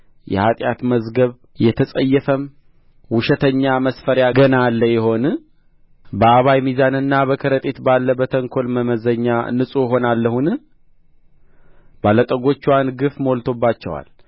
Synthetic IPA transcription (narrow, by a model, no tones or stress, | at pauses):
jɛ̰hat̪ʼjat̪məzɡəβ | jɛt̪ʰəsʼəjːɛfəm | wʊʃɛt̪ʰəɲːaməsfəɾjaɡənalːəjɛɦo̞nɨ | bəaβajmizanɨnːaβəkʰəɾət̪ʼet̪balːəbət̪ʰəŋkʰo̞lməməzəɲːanɨsʼujɛɦo̞nalːəhunɨ | balət̪ʼəɡo̞t͡ʃːiwanɡɨfməwolt̪ʰo̞bːat͡ʃːɛwa̰l